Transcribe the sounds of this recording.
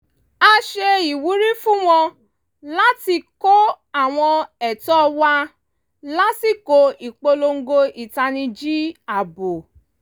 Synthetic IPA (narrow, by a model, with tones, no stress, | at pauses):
a˧ʃe˧i˨wu˨˦ɾi˦fũ˦w̃ɔ̃˧ | la˦ti˧ko˦ | a˦˨w̃ɔ̃˧ɛ˨tɔ˦wa˧ | la˦ti˦˨ko˧i˨k͡po˧lo˧ŋ̩˦ɡo˧i˨ta˧nĩ˧d͡ʒi˦a˨bo˨